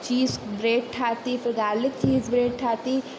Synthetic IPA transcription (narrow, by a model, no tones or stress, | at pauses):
t͡ʃiːzbɾeːʈ̚ʈʰaːt̪ifɪɾɡaːɾlɪk̚t͡ʃiːzbɾeːʈ̚ʈʰaːt̪i